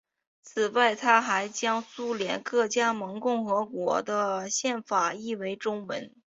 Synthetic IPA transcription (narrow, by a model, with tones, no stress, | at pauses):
t͡s̩ʰ˨˩wa˥˩ɪt̪ʰa˥xa˧˥ɪt͡ɕjɑ˥ŋsu˥ljɛ˧˥nkɤ˥˩t͡ɕja˥mɤ˧˥ŋkʊ˥˩ŋxɤ˧˥kwɔ˧˥d̪ə˧ɕjɛ˥˩nfa˨˩i˥˩we˧˥ɪʈ͡ʂʊ˥ŋwə̰˧˥n